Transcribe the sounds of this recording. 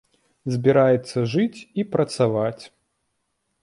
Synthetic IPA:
zʲbʲiɾajɛt̪sːɐʐɨt͡sʲipɾɐt̪savat͡sʲ

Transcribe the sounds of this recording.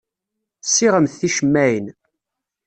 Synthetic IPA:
sːiʁəmθθiʃəmːæjən

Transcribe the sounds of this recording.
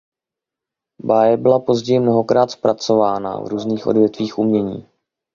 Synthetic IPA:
baːjɛbɪlapo̞zɟɛjɪmno̞ɦo̞kɾaːt̪spɾat͡so̞vaːna̰vɾuːzniːxʔo̞̰dvjɛt̪viːxʔumɲɛɲiː

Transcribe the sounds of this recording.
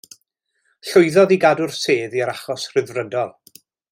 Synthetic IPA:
ɬʊɨðɔðiɡadʊrseːðiəɾaχɔsr̥ɪðvrədɔlˠ

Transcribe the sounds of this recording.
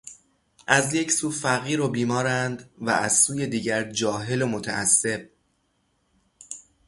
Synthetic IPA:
ʔæzjecʰsuːfæɣiːɾobiːmɒːɾænd̪væ̰æzsuːje̞d̪iːɟæɾd͡ʒɒːɦe̞lomo̞t̪ʰæ̰ʔæsːe̞b̥̚

